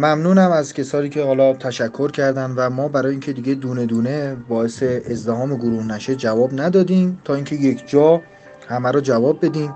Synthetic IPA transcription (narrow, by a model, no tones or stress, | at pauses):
mæmnuːnæmæzcʰʲe̞sɒːniːcʰe̞hɒːlɒːt̪ʰæʃækʰːoɾcʰæɾd̪ænvæmɒːbæɾɒːjeiːŋcʰe̞d̪iɟe̞d̪uːned̪uːnebɒːese̞ːzd̪eɦɒːmeɡoɾuːhnæʃe̞d͡ʒævɒːbnæd̪ɒːd̪iːmt̪ʰɒːiːŋcʰe̞je̞kʰd͡ʒɒː | hæmæɾɔːd͡ʒævɒːbːe̞d̪iːm